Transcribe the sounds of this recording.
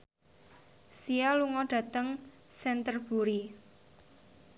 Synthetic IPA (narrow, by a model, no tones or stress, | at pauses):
sialuŋɔɖ̥ä̤t̪əŋsɛnt̪ərb̥uɾi